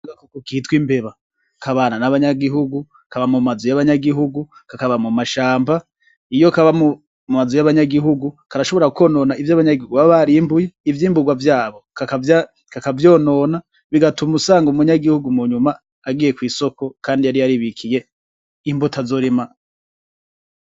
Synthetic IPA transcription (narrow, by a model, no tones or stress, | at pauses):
ɡakokokihitwimbe̞βa | kʰaβaːnanaβaɲaɡiɦuɡu | kʰaβamumazujaβaɲaɡiɦuɡukakaβamumaʃaːmba | ijo̞kaβamu | umazujaβaɲaɡiɦuɡu | kaɾaʃo̞βo̞ɾauko̞ːno̞ːnaivjaβaɲaɡihuɡuβaββaɾiːmbuje̞ivjiːmbuɡwavjaːβo̞kakaa | kakavjoːno̞na | βiɡatumusaːŋɡumuɲaɡihuɡumuɲumaː | ɡiːje̞kwiːso̞ko̞kʰaːndijaɾijaɾiβikʰije̞ | imbutʰazo̞ːɾema